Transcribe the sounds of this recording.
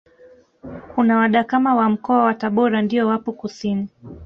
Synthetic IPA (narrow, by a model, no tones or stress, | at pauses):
kunawaɗakamawam̩kɔawataɓɔɾandiɔwapɔkusini